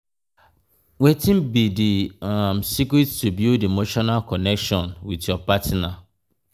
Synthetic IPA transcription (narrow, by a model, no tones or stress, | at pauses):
wetĩmbidiamsikɾittubjudemoʃɔnalkɔnɛkʃɔ̃nwitjɔpatna